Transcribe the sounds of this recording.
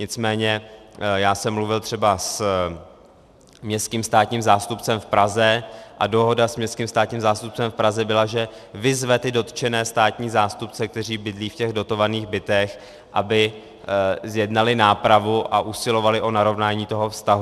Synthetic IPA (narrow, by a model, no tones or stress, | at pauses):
ɲɪt͡smɛːɲɛjaːsɛmːluvɪlt̪r̝̥ɛbas | mɲɛst̪kiːmst̪aːt̪ɲiːmzaːst̪upt͡sɛmfpɾazɛʔado̞ɦo̞dasmɲɛst̪kiːmst̪aːt̪ɲiːmzaːst̪up̚t͡sɛmfpɾazɛbɪlaʒɛ | vɪzvɛt̪ɪdo̞t̪t͡ʃɛnɛːst̪aːt̪ɲiːzaːst̪up̚t͡sɛk̚t̪ɛr̝iːbɪdliːfcɛɣdo̞t̪o̞vaniːɣbɪt̪ɛx | ʔabɪ | zjɛdnalɪnaːpɾavuʔaʔusɪlo̞valɪʔo̞naɾo̞vnaːɲiːt̪o̞ɦofst̪aɦu